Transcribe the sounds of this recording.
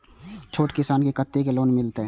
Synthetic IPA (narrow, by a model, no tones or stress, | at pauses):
t͡ʃʰoːʈkɪsaːnkekət̪ːekeloːnmɪlt̪eɦɛː